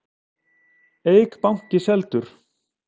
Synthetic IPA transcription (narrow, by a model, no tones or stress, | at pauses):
eːjkpawŋ̥cɪsɛlt̪ʏɾ̥